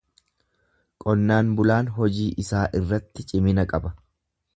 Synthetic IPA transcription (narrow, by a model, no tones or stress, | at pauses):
kʼɔnːaːnbʊlaːnɦɔd͡ʒiːʔɪsaːʔɪrːɐt̪ːɪt͡ʃʼɪmɪnɐkʼɐbɐ